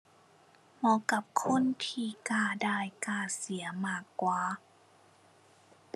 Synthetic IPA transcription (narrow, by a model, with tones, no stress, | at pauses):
mɔː˧˥ka˧˦p̚kʰo˧˥˨nt̪ʰiː˧˩kaː˧˩daː˧˩jkaː˧˩si˨˩˦ɐmaː˧˩kːwaː˨˧